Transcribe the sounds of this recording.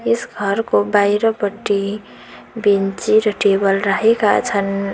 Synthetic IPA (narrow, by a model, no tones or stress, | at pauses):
esɡʱʌɾkobajɾʌpʌʈːi | bint͡ʃiɾʌʈebʌlraɦekat͡sʰʌn